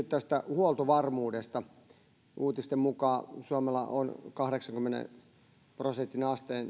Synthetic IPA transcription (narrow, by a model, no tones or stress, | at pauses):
ytt̪æst̪æhuolt̪oʋɑrmuːdest̪ɑ | uːt̪ist̪emmukɑːsuomelːɑ̰ʔonkɑhɾeksɑŋkymːenḛ | prosent̪ːinɑst̪eːn